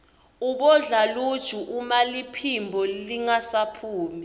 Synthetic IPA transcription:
uɓɔɮalud̥ʒ̥ʱuʔumalipʰimbʱɔliŋasapʰuːmi

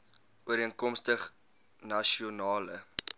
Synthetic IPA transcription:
uəɾiənkɔmstəχ | nɐʃionɑːlə̰

